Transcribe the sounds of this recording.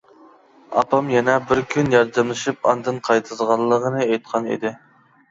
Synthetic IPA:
ɑ̰pʰɑmjɛnɛbɪɾkʲʰynjɑɾd̪ɛmlˠɨʃɨpɑ̰nd̪ɨnqʰɑjt̪ʰɨzʁɑlˠːəʁənɨejt̪̚qʰɑnḭd̪ɪ

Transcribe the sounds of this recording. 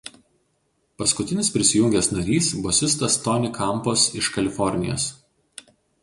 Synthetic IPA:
pɐskʊt̪ʲɪnʲɪsʲpʲɾʲɪsʲɪjʊŋʲɡʲɛsnɐɾʲiːsbɔsʲɪst̪ɐst̪ɔnʲɪkʰɐmˑposɪʃkɐlʲɪfɔɾʲnʲɪ̰jo̰ːs

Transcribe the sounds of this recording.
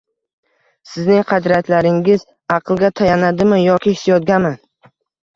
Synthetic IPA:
sɪznɪŋqʰɑd̪ɾat̪laɾɪŋɪz | ɑqʰɨlˠɡʲat̪ʰajanad̪ɪmɪjɒkʲɪhɪ̥sjɒd̪ɡʲaman

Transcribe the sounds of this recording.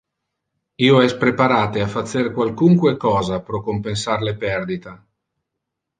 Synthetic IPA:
iːoɛspɾepaɾaːt̪eafat̪sːerkwalkuŋkwekɔːzapɾɔkompensarlepɛrd̪it̪a

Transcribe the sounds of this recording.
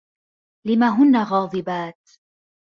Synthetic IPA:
lɪmaːɦʊnːaɣɑːðˤɨbaːt̪

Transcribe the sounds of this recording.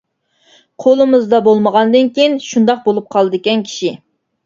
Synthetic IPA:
qʰolˠɨmɨzd̪ɑbolˠməʁɑnd̪ɨnkʲijinʃund̪ɑq̚bolˠup̚qʰɑlˠɨd̪ɨkʲɛnkʲʰi̥ʃi

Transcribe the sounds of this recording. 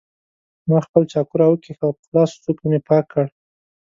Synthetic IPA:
mɑxpəlt͡ʃɑkuɾawəkixawpə̥xlɑst͡sup̚kemepɑkʰːəɽ

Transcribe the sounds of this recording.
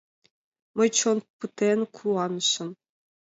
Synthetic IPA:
məjt͡ɕʰonpɯt̪enkʰuɑnə̆ʃə̆m

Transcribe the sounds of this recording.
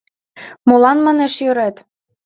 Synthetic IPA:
molɑnmɑneʃjøɾet̪

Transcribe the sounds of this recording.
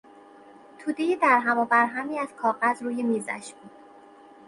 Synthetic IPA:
t̪ʰuːd̪ejed̪æɾɦæmobæɾɦæmiːæz̥kʰɒːɣæzɾuːjemiːzæ̰ʃbuːd̪̥

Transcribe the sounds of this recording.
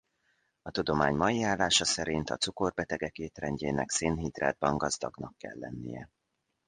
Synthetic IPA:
ɒt̪ud̪o̞maːɲmɒjiaːlːaːʃɒsɛɾint̪ɒt̪suko̞rbɛt̪ɛɡɛkeːt̪rɛɲɟeːnɛkseːnɦid̪rɛ̰d̪̚bɒŋɡɒzd̪ɒɡnɒkːɛ̰lːɛ̰nːḭjɛ̰

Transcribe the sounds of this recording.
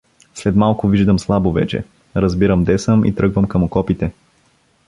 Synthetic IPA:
slɛt̪malˠkʊviʒd̪əmslˠabovɛ̰t͡ʃɛ̰ | ɾəzbiɾəmd̪ɛsəmʔḭt̪ɾɤɡvəmkəmʊkɔpit̪ɛ

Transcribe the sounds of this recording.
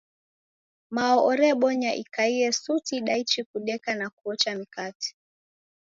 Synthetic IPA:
maɔʔɔɾɛɓɔɲaʔḭkaiɛsutiɗait͡ʃikuɗɛkanakuɔt͡ʃamikati̥

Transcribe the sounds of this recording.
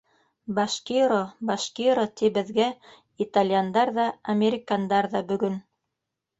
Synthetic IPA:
baʃkiɾobaʃkiɾot̪ibɘ̆ðɡæ | it̪alʲjand̪ɑɾðɑɐmʲeɾʲɪkand̪ɑɾðɑbɵ̆ɡɵn

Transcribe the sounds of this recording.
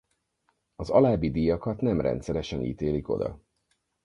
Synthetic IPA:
ɒzɒlaːbid̪iːjɒkɒt̪nɛmrɛ̰nt̪sɛɾɛʃɛnḭːt̪eːliko̞̰d̪ɒ̰

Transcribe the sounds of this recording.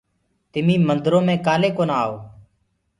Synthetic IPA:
t̪ɪmĩːmənd̪ɾõːmẽːkaːleːkoːnaːoː

